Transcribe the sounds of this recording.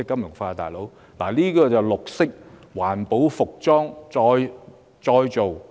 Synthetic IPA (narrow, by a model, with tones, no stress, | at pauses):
ɪ˥kːɐ˥mjʊ˨˩ŋfaː˧t̪a̰ː˨˩jlo˨˥w | laː˨˩liː˥kɔː˧t͡sɐ˨wlʊ˨k̚sɪ˥k̚waː˨˩npo˨˥wfʊ˨k̚t͡sɔː˥ŋt͡sɔː˧j | t͡sɔː˧jt͡so˨w